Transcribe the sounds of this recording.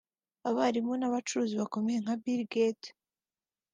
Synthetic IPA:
aβaɾimonaβat͡ʃuɾuːziβako̞mejeŋ̥habiɾɡet

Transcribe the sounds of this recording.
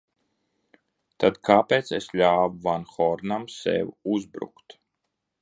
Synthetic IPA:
t̪ad̪kʰaːpeːt̪sesʎʲaːvuvanxɔɾnamsɛ̰wuzbɾṵkt̪

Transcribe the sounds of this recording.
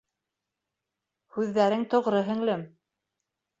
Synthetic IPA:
hʉðːæɾɘŋt̪ŏʁɾɤɦɘ̆ŋlɘm

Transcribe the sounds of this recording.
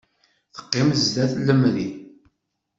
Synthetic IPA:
θə̥qːɪmzd̪æθlːəmɾi

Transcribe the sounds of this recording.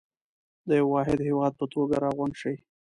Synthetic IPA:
d̪əjawːɑɦɪd̪hɪwɑd̪̚pət̪oɡaɾɑɣʊnʃəj

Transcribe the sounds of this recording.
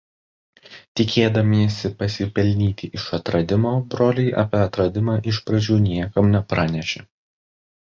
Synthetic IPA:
t̪ʲɪkʲʰeːd̪ɐmʲiɛsʲɪpɐsʲɪpʲɛlʲnʲiːt̪ʲɪʔɪʃɐt̪ɾɐd̪ʲɪmoːbɾoːlʲɪɪʔɐ̰pʲeɐt̪ɾɐd̪ʲɪmɑːʔɪʃpɾɐd͡ʒʲuːnʲiɛkɐmnʲɛpɾɑːnʲɛʃʲeː

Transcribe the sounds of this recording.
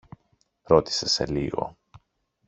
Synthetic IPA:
ɾo̞t̪i̥se̞se̞̰liɣo̞̰

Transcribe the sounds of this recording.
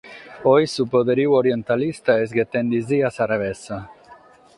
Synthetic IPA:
ojsupoðeɾiwoɾjent̪alist̪aezɡet̪end̪iziasaɾaβesa

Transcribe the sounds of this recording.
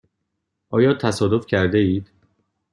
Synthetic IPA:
ʔɒːjɒːt̪ʰæsɒːd̪ofcʰæɾd̪eiːd̪̥

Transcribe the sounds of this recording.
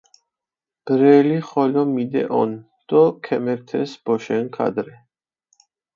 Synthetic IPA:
ɡ̥ɾɛliχɔlɔmid̪ɛ̰ʔɔn | d̪̥ɔkʰɛmɛɾt̪ʰɛsb̥ɔʃɛnkʰa̰d̪ɾɛ

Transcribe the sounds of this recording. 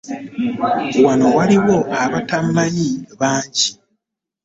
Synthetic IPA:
wano̞waliwo̞ʔaβatamːajiβaːɲɟi

